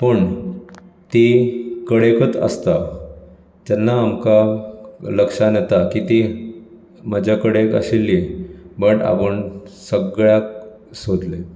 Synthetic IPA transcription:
pəɳ | t̪ikəɽekət͡sə̰st̪a | t̪ɛnːaːmka | ləkʂanɛt̪akit̪i | məd͡ʑakəɽekə̰ɕilːibəʈa̰pəɳsəɡɭjak̚ | sod̪le

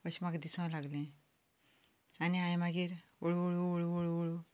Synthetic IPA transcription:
əɕimaɡd̪isãlaɡlẽ | aniãj̃maɡiɾoɭuoɭuɭuoɭuoɭu

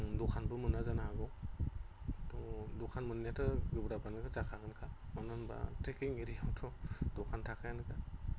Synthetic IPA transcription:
dɔkʰanbɯmɯnazanaɦaɡɔ | tɔdɔkʰanmɯnijatʰɯɡɯbɾabanɯɡɯzakʰaɡɯnkʰamanɯnba̰tʰekiŋiɾijawtʰɔdɔkʰantʰakʰajanɯkʰa

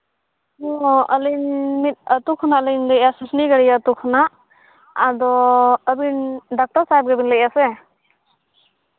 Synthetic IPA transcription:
ɔ̃əlinmit̪̚ˀət̪ukʰɔnaʔələnləʔasəsʰniɡəɽijaət̪ukʰɔnaʔ | ad̪ɔəbinɖak̚taɾsajp̚ɡɛbinləʔ̚asɛ

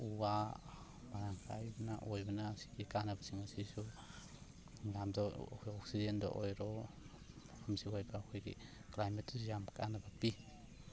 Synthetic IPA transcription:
uwa | maɾaŋkʰa̰jbɐnaʔɔjbɐnasi̥ɡikanabasiŋasisu | ŋamdɔ̰kʰjɔk̚sizendɔ̰ʔojɾɔ | apʰamsihojbaːkʰɔjɡḭ | klajmetusjamkanabapi

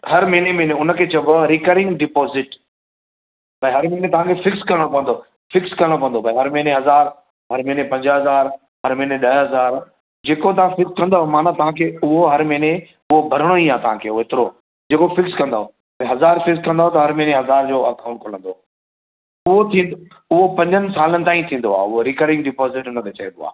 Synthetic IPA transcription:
hɐɾmɐɦnemeɦneʊnə̆kʰeːt͡ɕɐbaɾɪkəɾɪ̃ŋɡɖɪpoːzɪʈ | bɐ̃ĩɦɐɾmɛɦnet̪ɐʋ̤ãkʰefɪkskɐɾəɽ̃opɐ̃ʋə̃nd̪o | fɪkskɐɾəɽ̃opɐ̃ənd̪obɐ̃ɦɐɾmɐɪneɦɐzaːɾ | ɦɐɾmɛɦnepɐ̃ɲd͡ʑɦɐzaːɾ | ɦɐɾmɛɦneɗɐɦɦɐzaːɾ | d͡ʑeːkot̪̬ɐʋ̤ãfɪkskɐ̃nd̪aːɦmaːnat̪ɐʋ̤ãkʰeːʊɦoɦɐɾmɐɦɪne | ʊɦobʱɐɾəɽ̃oĩːaːt̪ɐʋ̤ãkʰeːoeːt̪ɪɾo | d͡ʑeːkofɪkskɐ̃nd̪aːɦo | bɐ̃ɦɐzaːɾfɪkskɐ̃nd̪aːɦot̪ɐɦɐɾmɐ̃ɦneɦɐzaːɾd͡ʑoːɐkʰaʊɳkʰolə̃nd̪o | ʊɦot̪ʰĩːnd̪o | ʊɦopɐ̃ɲd͡ʑənɪ̆saːlənɪ̆t̪aːĩt̪ʰĩːn̆d̪oa̰ːʊɦoɾɪkəɾɖɪ̃ŋɡɖɪpɔːzɪʈʊnɐt̪ʰet͡ɕɐẽnd̪o̰a̰ː

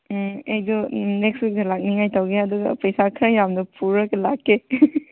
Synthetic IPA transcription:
ejdɔnek̚sbik̚delak̚niŋajtawɡeɐduɡɐ̰pɐjsakʰɾajamnɐpʰuɾɐkelakːe

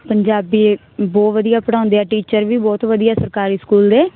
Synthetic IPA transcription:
pəɲd͡ʒaːbiː | bɔːt̪ʋəd̪ijaːpəɽãːʊ̃nd̪eːɛːʈiːt͡ʃəɾʋiːbɔːt̪ʋəd̪ijaːsəɾkaːɾiːskuːld̪eː

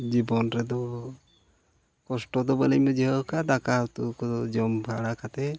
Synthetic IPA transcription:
d͡ʒibɔnɾɛd̪ɔ | kɔsʈɔd̪ɔbalɛjmud͡ʒiɦɔkad̪akat̪ukɔd͡ʒɔmbʱaɽakat̪ɛ

